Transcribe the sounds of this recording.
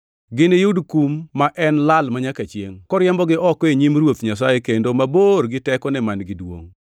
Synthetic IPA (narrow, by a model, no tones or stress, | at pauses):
ɡɪnejudkumːaʔɛnlalmaɲakat͡ʃjḛŋkɔɾɪɛmbɔɡɪʔɔkɔeɲimrwot̪ɲas̬ajekendomaboɾɡɪtɛkɔnɛmanɡɪdwo̰ŋ